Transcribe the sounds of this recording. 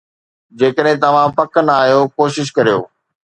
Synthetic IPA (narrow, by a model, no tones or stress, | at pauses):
d͡ʑeːkəɗɦẽt̪ɐʋ̤ãpɐkənaːɦijokoːʃɪʃ̬kɐɾijo̰ː